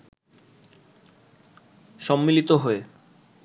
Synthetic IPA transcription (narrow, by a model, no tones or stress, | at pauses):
ʃɔmːilit̪oɦoe